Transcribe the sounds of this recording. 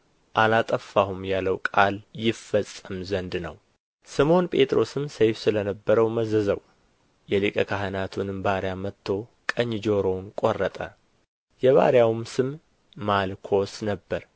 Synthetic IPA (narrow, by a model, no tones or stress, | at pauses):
ʔalat̪ʼəfːahumjalːəwkʼaljɪfːəsʼːəmzənd̪nə̰w | sɨmo̞npʼe̞t̪ʼɾo̞sɨmsejfsɨlənəbːəɾəwməzəzəw | jɛlikʼəkʰaɦənat̪ʰunɨmbaɾjamət̪ʰːo̞kʼəɲd͡ʒoɾo̞nkʼorːət̪ʼə | jɛβa̰ɾjawmsɨmː | alkʰo̞snəbːəɾ